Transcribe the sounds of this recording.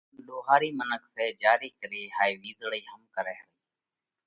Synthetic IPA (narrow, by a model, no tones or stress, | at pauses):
ɗoːɦaːɾiːmənəkʰseːd͡ʒaːɾiːkəɾiːɦaːiːʋiːzɽiːɦəmkəɾeːɦəɾiː